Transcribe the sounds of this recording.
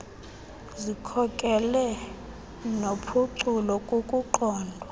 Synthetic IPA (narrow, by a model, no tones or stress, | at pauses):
zikʰɔkʼɛlɛ | nopʰuǀulɔkʼokʼuǃɔːndʱwa